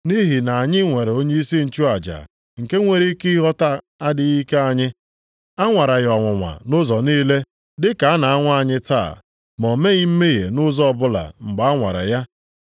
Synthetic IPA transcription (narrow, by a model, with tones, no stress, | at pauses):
ni˦ɦi˨na˨a˨ɲɪ˦ŋʷe˨ɾe˨o˦ɲe˦i˦si˦n̩˨t͡ʃu˦a˨d͡ʒa̰˨ | ŋ̩˨ke˦ŋʷe˨ɾi˦ki˦ɦɔ˦ta˦ | a˦dɪ˨ɣi˦ke˦a˦ɲɪ˦ | a˦ŋʷa˨ɾa˨ɣɔ˨ŋʷʊ˨ŋʷa̰˨nʊ˦zɔ˨niː˦le˦ | dɪ˦ka˨a˦na˨a˦ŋʷa˦a˨ɲɪ˦ta̰˦˨ | mɔ˨me˦ɣɪ˦m̩˦me˦ɣḛ˨nʊ˦zɔ˦ɔ˨bʊ˦la̰˨ŋ͡m̩˨ɡ͡ba˨a˦ŋʷa˨ɾa̰˨ja˦